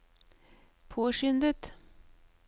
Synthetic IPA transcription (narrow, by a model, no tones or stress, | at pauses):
pʰoːʂʏnd̪ət̪